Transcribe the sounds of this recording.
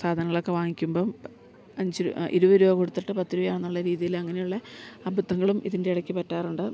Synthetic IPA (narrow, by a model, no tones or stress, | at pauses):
saːd̪ʱɐnɐŋːɐɭo̞kːe̞ʋaːŋikʲːumbo̞ː | ɐɲd͡ʑiʔḭɾuʋɐɾuʋɐko̞ɽut̪ːiʈːɨpɐt̪ːiɾuʋɐjaːɳenːuɭːɐɾiːðijilɐŋːɐne̞juɭːɐɐbʱud̪ːɐŋːɐɭumiðinde̞iɽɐkʲːipɐtːaːruɳɖɨ